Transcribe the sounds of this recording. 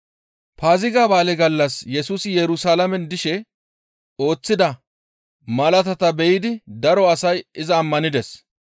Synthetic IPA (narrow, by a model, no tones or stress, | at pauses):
paːzɪɡaːbaːlɛɡɐlːɐsjɛsuːsɪjɛɾʊsaːlɐmɛnd̪ɪʃɛ | o̞ːt͡sːɪd̪ɐ | mɐlɐt̪ɐt̪ɐbɛjɪd̪ɪd̪ɐɾɔɐsɐjɪzɐːmːɐnɪd̪ɛs